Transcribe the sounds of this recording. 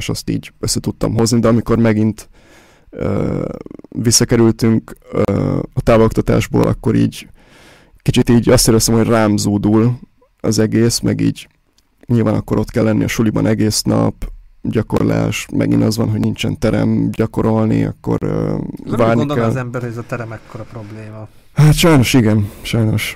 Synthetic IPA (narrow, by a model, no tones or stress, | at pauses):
eʃɒst̪ḭːɟøsːɛt̪ut̪ːɒmɦo̞znid̪ɛɒmiko̞rmɛɡint̪ | øː | visːɒkɛɾylt̪yŋkøɒt̪aːvlok̚t̪ɒt̪a̰ːʒbo̰ːlʔɒkːo̞ɾḭːɟ | kit͡ʃit̪iːɟɒst̪eːɾd̪ɛst̪ɛmhoɟraːmzoːd̪ul | ɒzɛɡeːsmɛɡḭːɟ | ɲilvaːnɒkːo̞ɾʔo̞t̪kɛlːɛnːʔiɒʃulibɒnʔɛɡeːsnɒpɟɒko̞̰rla̰ːʃmʔɛ̰ɡinɒzʋɒ̰nɦo̞ɟnint͡ʃɛ̰nt̪ɛɾɛ̰mɟɒko̞ɾo̞lniɒ̰kːo̞̰røvaːrnind̪okɛlzɛmbɛɾhoɟɛzɒt̪ɛɾɛmɛkʰːoɾɒpɾo̞bleːmɒ | haːt̪ʃɒjno̞ʃiɡɛnʃɒjno̞ʃ